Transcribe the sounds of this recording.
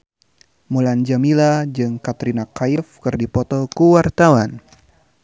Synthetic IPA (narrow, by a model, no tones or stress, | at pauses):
muland͡ʒamilad͡ʒɨŋkat̪ɾinakaifkɨrdipɔt̪ɔkuwart̪awan